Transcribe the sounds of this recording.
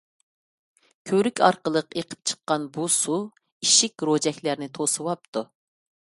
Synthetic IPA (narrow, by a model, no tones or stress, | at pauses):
kʲʰøɾykʲʰɑ̰ɾqəlˠəqeqʰə̥p̚t͡ʃʰə̥qːɑnbusu | iʃikʲɾod͡ʒɛkʲlæɾnɪt̪ʰosɨwɑp̚t̪ʰu